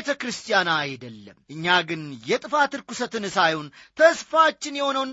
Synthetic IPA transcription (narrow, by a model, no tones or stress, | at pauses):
et̪ʰəkɾɨst̪ʰʼijanaːjd̪əlːəmʔɨɲːaɡɨnjɛt̪ʼɨfat̪ɨɾkusət̪ɨnsajunt̪ʰəsfat͡ʃːɪnjɛho̞nəwn